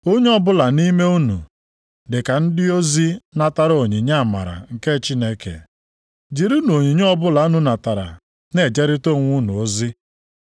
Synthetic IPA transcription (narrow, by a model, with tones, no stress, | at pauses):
o˦ɲe˦ɔ˦bʊ˦la˨ni˦me˦u˦nṵ˨ | dɪ˨ka˨n̩˦dɪ˦o˦zi˦na˦ta˦ɾo˨ɲi˨ɲa˦a˨ma̰˨ɾa̰˨ŋ̩˨ke˦t͡ʃi˦ne˦kḛ˨ | d͡ʒi˨ɾi˦no˨ɲi˨ɲe˦ɔ˦bʊ˦la˨˦nu˦na˨ta˨ɾa̰˨ | ne˨d͡ʒe˦ɾɪ˦to˦˨ŋʷʊ˦nṵ˨o˦zi˦